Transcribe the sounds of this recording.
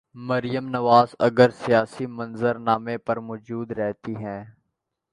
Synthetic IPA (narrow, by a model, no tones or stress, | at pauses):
mɐɾijəmnɐʋaːzɐ̰ɡəɾsijaːsimɐ̃nzəɾnaːmẽpɐɾmɔːd͡ʒuːd̪ɾɛɦt̪iɦɛ̃ː